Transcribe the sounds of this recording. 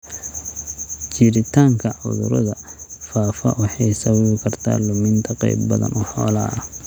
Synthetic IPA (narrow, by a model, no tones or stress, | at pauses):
t͡ʃiɾɪt̪ʰaːŋkʰɐʕʊ̰ðʊ̰ɾɔðɐfaːfɐwɑħɑjsɐwɐβɪkʰɐrt̪ʰa̰ːlʊmɪnt̪ʰɐqɛ̰jbbɐðɐ̰nʔɔħɔ̰ːlɐ